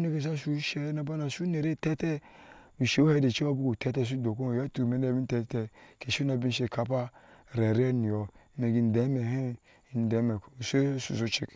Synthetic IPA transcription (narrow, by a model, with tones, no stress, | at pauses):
ne˦ke˨s̬a˦su˦ʃe˦na˨ba˦na˨su˦ne˨ɾe˦˨tɛ˦tɛ˦ | u˨ʃe˦o˦he˦de˨t͡ʃe˦o˦bu˦ku˨tɛ˦tɛ˦˨s̬u˦do˨ko˦˨jɛ˦tu˨me˨˦n˦e˦˨bi˦tɛ˨˦tɛ˦˨ke˨ʃo˦na˨bi˦n˦ʃe˨ka˦pa˦˨ɾɛ˨ɾɛ˦ni˨ɔ˨˦me˨ɡi˨n̩˨dɛ˨˦me˨ɦe˦˨ | n˨dɛ˨˦mɛ˨se˦sṵ˨s̬o˦t͡ʃḛ˦˨k